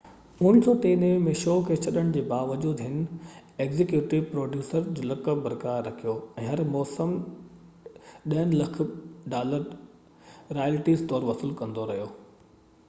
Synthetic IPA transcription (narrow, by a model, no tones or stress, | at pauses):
ʊñɪ̆sɔːt̪eːnəɪ̃mẽʃɔːkʰet͡ɕʰɐɗəɽ̃d͡ʑeːbaːʋɐd͡ʑuːd̪ɦɪnɪ̆ | eːkzɪkjuːʈɪʋpɾoːɖjuːsəɾd͡ʑoːlɐkəbɐɾkaːɾːɐkʰijoɛ̃ːɦɐɾmɔːsəm | ɗɐɦənɪ̆lɐk̆ʰɖaːləɾ | ɾaːjlɪʈiːzt̪ɔːɾʋɐsɪlkɐ̃nd̪oɾɐɦijoː